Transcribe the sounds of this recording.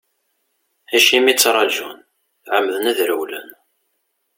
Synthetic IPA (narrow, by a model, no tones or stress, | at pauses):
æʃimit͡sːɾˤɑʒun | θʕəmːðənæðɾəwlə̰n